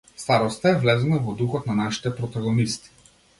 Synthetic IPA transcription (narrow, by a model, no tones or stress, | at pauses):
st̪aɾɔst̪aɛvlɛzɛnavɔd̪uxɔt̪nanaʃi̥t̪ɛpɾɔt̪aɡɔnist̪i̥